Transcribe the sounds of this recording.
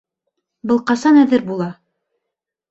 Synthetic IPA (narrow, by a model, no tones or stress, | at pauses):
bɤlˠqɑsɑnæðɘɾbulˠɑ